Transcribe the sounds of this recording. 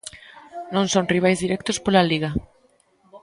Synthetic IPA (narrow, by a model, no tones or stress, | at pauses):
nõnsonriβ̞ajzðiɾɛkt̪ospolaliɣ̞a